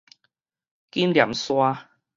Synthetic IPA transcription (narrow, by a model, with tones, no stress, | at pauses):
ki˦˥nlja̰˨˩mswa˦